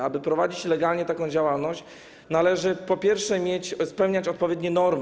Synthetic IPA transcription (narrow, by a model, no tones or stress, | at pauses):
abɘpɾɔvad͡ʑit͡ɕlɛɡalɲɛt̪akɔ̃w̃d͡ʑawalnɔɕt͡ɕ | nalɛʐɘpɔpʲjɛɾfʂɛmʲjet͡ɕspɛwɲat͡ɕɔt̪̚pɔvʲjɛd̪ɲɛnɔɾm